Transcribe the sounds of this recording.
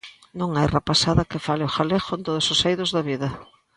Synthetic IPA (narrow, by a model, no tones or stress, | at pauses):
nõŋajrepasaðɐkɪfalɪoxalexoent̪oðʊsosejðʊzðɐβiðɐ